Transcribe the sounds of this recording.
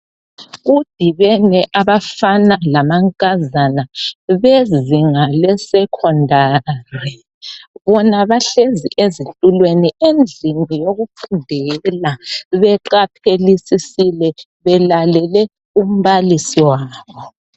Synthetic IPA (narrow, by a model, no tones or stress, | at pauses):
ɣud̥ʱiβɛnɛʔaβafanalamaŋkʼazanaβeziŋalɛsɛkʰɔndʱaːri | βɔnaβaɬezḭʔezitʼulweniend͡ɮʱinijoɣupʰundʱɛɣɛlaβɛǃapʰelisisilɛ | βɛlalɛlɛ | um̩βalisiwaːβɔ